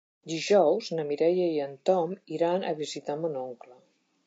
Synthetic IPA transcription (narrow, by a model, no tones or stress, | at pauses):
d̪iʒɔwznəmiɾɛjəiənt̪ɔmiɾanə̰βizit̪amunoŋklə